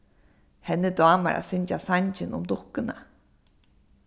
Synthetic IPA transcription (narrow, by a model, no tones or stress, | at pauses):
hɛnːɪd̪waːma̰ɾʔa̰sɪɲt͡ʃasaɲt͡ɕɪnʊ̰md̪ʊhkɪna